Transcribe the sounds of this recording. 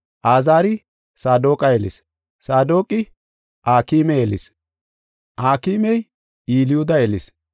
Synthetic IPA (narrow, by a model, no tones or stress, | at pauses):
ʔaːzaːɾɪ | saːd̪o̞ːkʼɐjelɪ̰s | saːd̪o̞ːkʼɪ | ʔaːkiːmɛjelɪs | ʔaːkiːmɛj | iːlɪjʊd̪ɐelɪs